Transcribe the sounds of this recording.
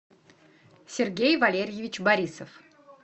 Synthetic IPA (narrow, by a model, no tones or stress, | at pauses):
sʲɪrɡʲejvɐlʲeɾʲjɪvʲɪt͡ɕbɐɾʲisəf